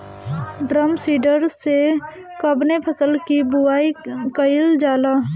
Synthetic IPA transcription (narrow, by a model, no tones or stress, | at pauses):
ɖɾəmsiːɖəɾse | kəbnepʰəsəlkibʊaːikəɪld͡ʒaːlaː